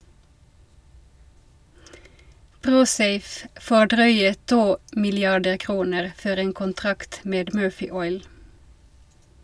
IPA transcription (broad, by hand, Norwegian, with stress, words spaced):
ˈpʁuːˌseɪf ˈfoː ˈɖʁœʏə ˈtuː mɪlɪˈɑɖə ˈkʁuːnəʁ ˈfɔɾ ˈeːn kʊnˈtʁɑkt ˈmeːd ˈmøːfɪ ˈɔʏl